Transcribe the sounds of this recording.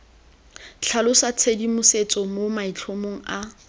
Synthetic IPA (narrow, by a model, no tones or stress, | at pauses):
t͡ɬʰalʊsat͡sʰedimʊset͡sʼɔmomait͡ɬʰomoŋ̩a